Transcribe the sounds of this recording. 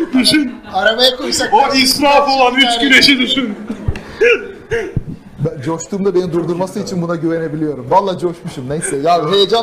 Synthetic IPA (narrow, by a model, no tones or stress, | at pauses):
d̪yʃynaɾamajakʰojsakisɾafo̞lˠanhyt͡ʃkyɾeʃɛd̪yʃyn | bænd͡ʒoʃt̪ʰuːmd̪abe̞nid̪uɾd̪uɾmasɯit͡ʃʰinbunaɟyve̞ne̞bilʲijo̞ɾumvalˠːaːd͡ʒo̞ʃmuʃumnejsɛjaːbiɦejed͡ʒan